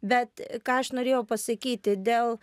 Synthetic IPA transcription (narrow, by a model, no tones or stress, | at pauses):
bʲɛt̪kɑːɐʃnoːɾʲeːjɛʊpɐsɐkʲiːt̪ʲɪd̪ʲeːlˠ